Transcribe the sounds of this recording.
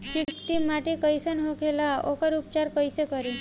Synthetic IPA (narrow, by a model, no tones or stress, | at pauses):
t͡ʃikʈ̪imaʈikəjsənɦokʰelaokəɾupt͡ʃaɾkəjsekəɾi